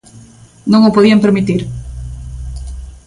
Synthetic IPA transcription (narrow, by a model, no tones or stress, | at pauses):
nɐ̃ŋʊpoðiɐmpeɾmit̪iɾ